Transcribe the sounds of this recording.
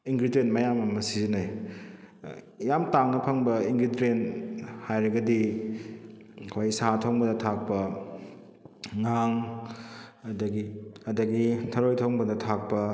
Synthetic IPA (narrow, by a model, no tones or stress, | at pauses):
iŋɡɾidentmɐjamɐmɐsizinaj | jamtaŋnɐpʰɐŋbɐiŋɡɾidɾenhajɾɐɡɐdi | kʰajsatʰoŋbɐdɐtʰak̚pɐ | ŋaŋ | ɐdɐɡiɐdɐɡitʰɐɾojtʰoŋbɐdɐtʰak̚pɐ